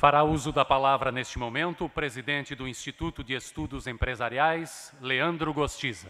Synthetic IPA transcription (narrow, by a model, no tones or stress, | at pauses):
faɾauzʊd̪ɐpalavɾɐnest͡ʃɪmomẽnt̪ʊpɾezid̪ẽnt͡ʃɪd̪ʊĩst͡ʃit̪ut̪ʊd͡ʒɪest̪ud̪ʊzẽpɾezaɾiajsleɐ̃nd̪ɾʊɡost͡ʃizɐ